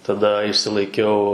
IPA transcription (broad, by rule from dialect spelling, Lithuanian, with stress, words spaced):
tɐˈdɐ ɪʃʲsʲɪlˠɐɪˈkʲɛʊ